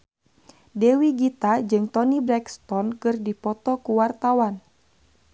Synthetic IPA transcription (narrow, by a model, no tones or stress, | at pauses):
dɛwiɡit̪ad͡ʒɨŋt̪ɔnibɾɛkst̪ɔnkɨrdipɔt̪ɔkuwart̪awan